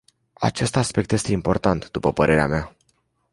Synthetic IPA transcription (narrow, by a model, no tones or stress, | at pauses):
a̰t͡ʃe̞st̪aspe̞k̚t̪je̞st̪e̞impo̞rt̪ant̪d̪upəpəɾʔe̞ɾea̰mea